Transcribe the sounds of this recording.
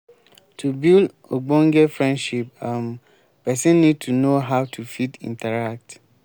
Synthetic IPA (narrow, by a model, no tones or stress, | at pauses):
tʰubild | oɡ͡bɔ̃ŋɡɛfɹɛ̃nʃip̚ãm | pʰɛsɛ̃nːĩd̚tʰunoɦaʊtʰufitḭ̃ntʰaɹak̚t